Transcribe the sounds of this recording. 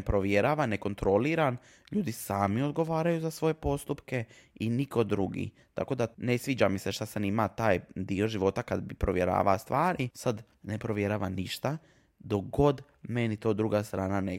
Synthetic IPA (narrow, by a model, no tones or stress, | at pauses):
pɾoʋjeɾaːʋanːe̞ko̞nt̪ɾo̞liɾan | ʎuːd̪isaːmio̞d̪ɡo̞ʋaːɾajuzasʋo̞je̞po̞st̪upke̞iniko̞d̪ɾuɡḭ | t̪a̰ko̞d̪ane̞sʋiːd͡ʑamiseʃt̪asanimat̪aːjd̪io̞ʒiʋo̞t̪akad̪bipɾoʋjeɾa̰ːʋast̪ʋaːɾisad̪ | ne̞pɾo̞ʋjeɾaːʋaniʃt̪a | d̪oɡo̞d̪ | me̞nit̪od̪ɾuɡast̪ɾaːnane